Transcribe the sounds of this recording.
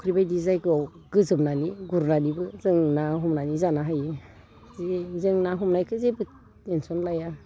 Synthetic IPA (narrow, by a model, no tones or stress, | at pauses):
ɔkʰɾibajdizajɡɯaw | ɡɯzɯmnaniɡuɾnanibɯzɯŋnaɦɔmnanizanaɦajɯ | zezɯŋnaɦɔmnajkʰɯzebɯ | ensɔnlaja